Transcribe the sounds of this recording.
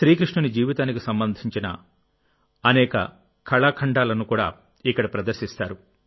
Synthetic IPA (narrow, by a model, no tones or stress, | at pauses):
ʃɾiːkɾiʂɳɐnid͡ʒiːʋit̪aːnikisɐmbɐnd̪ʱiɲt͡ʃinɐ̰ | ɐnɛːkɐ̰ | kʰɐɭaːkʰɐɳɖaːlɐnukuːɽa̰ː | ikːɐɽɐpɾɐd̪ɐɾʃist̪a̰ːɾu